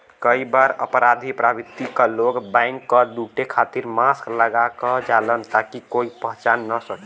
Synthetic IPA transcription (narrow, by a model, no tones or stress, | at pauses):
kəibaɾə̰pɾad̪ʱipɾabit̪ːikəloɡbaɪŋkːəd̪uʈekʰat̪iɾmaskləɡakɔd͡ʒalənt̪akikoipəɦt͡ʃanːəsəke